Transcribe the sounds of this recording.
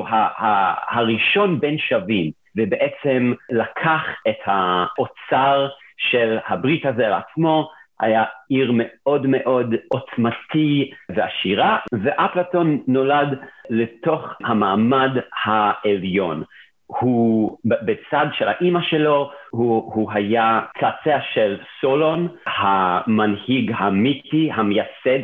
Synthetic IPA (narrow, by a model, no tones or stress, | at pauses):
hahahaʁiʃo̞nbenʃavim | vebeʔet͡semlakʰaχethaʔot͡saʁʃelhabʁitazeala̰t͡smo̞ha̰jaiʁmeo̞dmeʔo̞dot͡smatʰiveaʃiʁaveʔaplato̞nːo̞ladleto̞χhamaːmadhaeljo̞n | hubet͡sadʃela̰ʔimaʃe̞lo̞huhuɦajat͡sat͡seaʃelsolo̞nhamanhiɡhamitʰihamejased